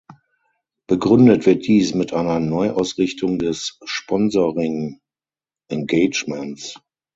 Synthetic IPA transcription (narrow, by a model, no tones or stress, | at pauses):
b̥əɡʁʏndətv̥ɪɐt̚d̥iːsmɪtʔaɪnɐnɔʏʔaʊsʁɪçtʊŋdɛsʃpʰɔnzoʁɪŋ | ʔɛnɡeɪt͡ʃmɛnt͡ss